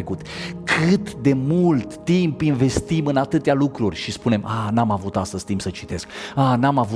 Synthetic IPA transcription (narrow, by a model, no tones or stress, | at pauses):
kut̪kʰɨt̪d̪e̞mult̪ːimpinve̞st̪imɨnat̪ɨt̪ealukɾurʲʃispune̞mʔanamavut̪ast̪əz̥ʲt̪impsət͡ʃi̥t̪e̞skanamavu